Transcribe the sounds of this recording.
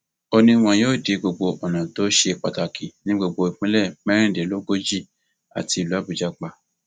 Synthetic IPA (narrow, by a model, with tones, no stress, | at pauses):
o˧nĩ˧w̃ɔ̃˧joː˦˨de˨˧˦ɡ͡bo˧ɡ͡bo˧ʔɔ˨nã˨to˨˦ʃe˧k͡pa˧ta˨ki˨nĩ˦ɡ͡bo˧ɡ͡bo˧i˨k͡pĩ˨˦lɛ˦˨mɛ̃˦ɾ̃ĩ˦˨de˨˦lo˦ɡo˦d͡ʒi˦˨ | a̰˨ti˧˨lu˨˦a˦bu˨d͡ʒa˨˧k͡pa˧˨